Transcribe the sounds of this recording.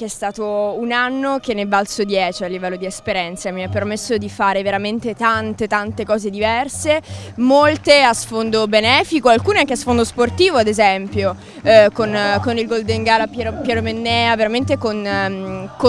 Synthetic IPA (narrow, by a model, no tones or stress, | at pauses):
keɛst̪aːt̪ounanːok̟enːebalt̪sod̪jɛːt͡ʃialːivɛlːod̪iespeɾjɛnt̪samiapːermesːod̪ifaːɾeveɾament̪et̪ant̪et̪ant̪ekɔːzed̪ivɛrsemolt̪easfond̪obenɛːfikoalkuːneaŋkeasfond̪osport̪iːvoad̪ezɛmpjo | konkonilɡold̪eŋɡaːlapjɛɾpjɛɾomenːɛːaveɾament̪ekon | ko